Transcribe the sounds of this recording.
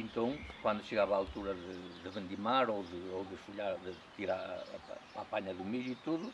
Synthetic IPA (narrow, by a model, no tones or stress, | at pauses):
ẽnt̪ɐ̃w̃kwãnd̪uʃɨɣaβaːlˠt̪uɾɐðɨðɨβẽnd̪imaɾoðɨowðɨsfuʎaɾðɨt̪iɾaɾpapaɲɐðumiðuit̪uðu